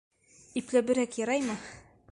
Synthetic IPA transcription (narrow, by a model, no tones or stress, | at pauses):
iplæbɘ̆ɾækjɑɾɑjmɤ